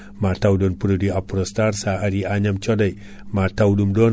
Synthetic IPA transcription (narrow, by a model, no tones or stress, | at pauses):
matawdonpuɾudiapuɾostaɾsaaɾiaɲamt͡ʃodaj | matawdumdon